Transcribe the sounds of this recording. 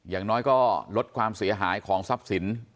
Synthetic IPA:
jaː˨˩ŋnɔː˦˥jkɔː˥˩lo˦˥t̪̚kʰwaː˧msi˩˦ɐɦaː˩˦jkʰɔː˩˦ŋsa˦˥p̚si˩˦n

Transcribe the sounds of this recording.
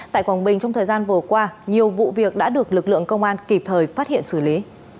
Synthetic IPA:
t̪a̰ː˧˨kwaː˨˩ŋ͡mɓï˨˩ŋ̟t͡ɕwŋ͡mt̪ʰəː˨˩jzaː˧nvɨ˨˩əkwaː˧ɲi˨˩əwvṵ˧˨vi˨˩ək̚ɗa̰ː˧˥ɗɨ˨˩ək̚lɨ˨˩k̚lɨ̰˧˨əŋkə˧wŋ͡mʔaː˧nki˨˩p̚t̪ʰəː˨˩jfaː˦˥t̚hḭ˧˨ənsɨ˧˩li˨˦

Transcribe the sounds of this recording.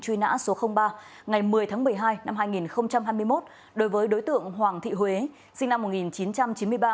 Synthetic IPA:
t͡ɕwi˧na̰ː˧˥so˨˦xə˧wŋ͡mɓaː˧ | ŋa˨˩jmɨ˨˩əjt̪ʰaː˨˦ŋmɨ˨˩əjɦaː˧jna˧mɦaː˧jŋi˨˩nxə˧wŋ͡mt͡ɕa˧mɦaː˧jmɨ˧əjmo˦˥t̚ | ɗo˨˦jvəː˨˦jɗo˨˦jt̪ɨ̰˧˨əŋhwaː˨˩ŋt̪ʰḭ˧˨hwe˨˦ | sï˧ŋna˧mːo˨˩ŋi˨˩nt͡ɕi˨˦nt͡ɕa˧mt͡ɕi˨˦mɨ˧əjɓaː˧

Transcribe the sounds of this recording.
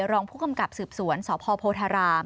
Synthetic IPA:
ɾɔː˧ŋpʰuː˥˩ka˧mka˨˩p̚sɯː˨˩p̚su˨˩˦ənsɔː˩˦pʰɔː˧pʰoː˧t̪ʰaː˧ɾaː˧m

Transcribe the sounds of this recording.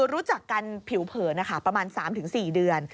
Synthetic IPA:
ɾuː˦˥t͡ɕa˨˩kːa˧npʰi˨˩˦wpʰɤː˩na˦˥˩kʰa˥˩pɾa˧maː˧nsaː˩˦mt̪ɯ˩˦ŋsiː˨˩dɯ˧ən

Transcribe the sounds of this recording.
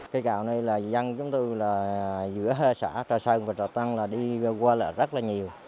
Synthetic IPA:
kaː˨˧˦jka̰ː˧˩˨wna˧jlaː˨˩za˧ŋt͡ɕʊ˨˦ŋ͡mt̪o˧jlaː˨˩zɨ̰˧˥əɦe˧˩sa̰ː˧˩t͡ɕɔː˨˩jsə˧nvaː˨˩t͡ɕɔː˨˩t̪a˧nlaː˨˩ɗi˧kwaː˧lə̰ː˧˨˩zə˦˥t̚laː˨˩ɲi˨˩əw

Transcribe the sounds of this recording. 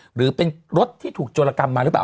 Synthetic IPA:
ɾɯː˩˦pe˧nɾo˦˥t̪̚ʰːiː˥˩t̪ʰuː˨˩k̚t͡ɕoː˧laː˧ka˧mːaː˧ɾɯ˩˦˥pla̰ː˨˩

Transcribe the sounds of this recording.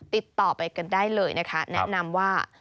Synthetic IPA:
t̪i˨˩t̪ːɔː˨˩pa˧jka˧ndaː˥˩jlɤː˧jna˦˥kʰa˦˥nɛ̰˦ʔna˧mwaː˥˩

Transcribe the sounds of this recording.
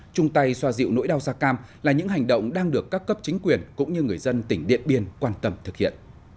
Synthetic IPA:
t͡ɕʊ˧ŋ͡mt̪a˧jswaː˧zḭ˧˨wno̰˧˥jɗaː˧wzaː˧kaː˧mlaː˨˩ɲɨ̰˧˥ŋɦa˨˩jŋ̟ɗə̰˧˨wŋ͡mɗaː˧ŋɗɨ˨˩əkːaː˦˥kːə˦˥p̚t͡ɕï˨˦ŋ̟kwi˨˩ənkʊ̰˧˥ŋ͡mɲɨ˧ŋɨ˨˩əjzə˧nt̪ï˧˩ŋ̟ɗḭ˧˨ənɓi˧ənkwaː˧nt̪ə˧mt̪ʰɨ˨˩k̚hḭ˧˨ən

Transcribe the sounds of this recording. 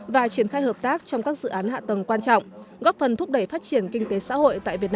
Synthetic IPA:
vaː˨˩t͡ɕi˧˩ənxaː˧jhəː˨˩p̚t̪aː˦˥k̚t͡ɕɔ˧wŋ͡mkaː˦˥k̚zɨ̰˧˨ʔaː˨˦nha̰ː˧˨t̪ə˨˩ŋ͡mkwaː˧nt͡ɕɔ̰˧˨wŋ͡mɣɔ˦˥p̚fə˨˩nt̪ʰʊ˦˥k͡p̚ɗə˧˩jfaː˦˥t̚t͡ɕi˧˩ənkï˧ŋt̪e˨˦sa̰ː˧˥ho̰˧˨jt̪a̰ː˧˨jvi˨˩ət̚n˧

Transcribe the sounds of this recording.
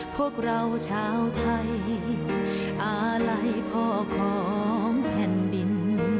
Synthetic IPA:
pʰu˥˩ək̚ɾa˧wt͡ɕʰaː˦˥wt̪ʰa˧j | ʔaː˧˩la˧˥jpʰɔː˧˩kʰɔː˨˩˦ŋpʰɛ˨˩ndi˧n

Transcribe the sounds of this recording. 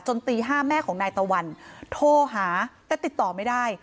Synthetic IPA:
t͡ɕo˧nt̪iː˧ɦaː˥˩mɛː˥˩kʰɔː˩˦ŋnaː˧jt̪a˧wa˧nt̪ʰoː˧˩ɦaː˩˦lɛ˦˥t̪i˨˩t̪ːɔː˨˩ma˥˩jdaː˥˩j

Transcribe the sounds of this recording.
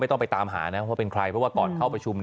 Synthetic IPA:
m˥˩jt̪ɔ˥˩ŋpa˧jt̪aː˧mɦa̰ː˩˦na˦˥ɔ˥waː˥˩e˧nkʰɾa˧jʰɾɔ˦˥waː˥˩kɔː˨˩nkʰa˥˩wpɾa˧t͡ɕʰu˧m

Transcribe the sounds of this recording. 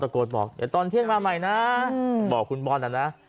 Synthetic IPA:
a˧koː˨˩t̪̚bɔː˨˩k̚a˨˧˩t̪ɔː˧nt̪ʰi˥˩əŋmaː˧ma˨˩jna˦˥bɔː˨˩kʰːu˧nbɔː˧nʔa˨˩na˦˥

